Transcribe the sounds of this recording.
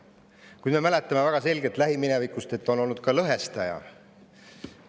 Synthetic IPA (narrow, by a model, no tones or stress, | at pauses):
kujd̪̥me̞mælet̪ːˑɑme̞væɡ̥ɑse̞lʲɡe̞t̪ˑlæɦiminevikˑust̪e̞t̪ːo̞no̞lnut̪̚kɑlɤɦe̞st̪ɑjɑ̰